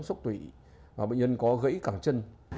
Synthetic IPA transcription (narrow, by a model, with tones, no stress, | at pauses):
ŋ͡mswk͡p̚t̪wi˧˩ | vaː˨˩ɓə̰˧˨ŋ̟zə˧nkɔ˨˦ɣə̰˧˥jkaː˧˩ŋt͡ɕə˧n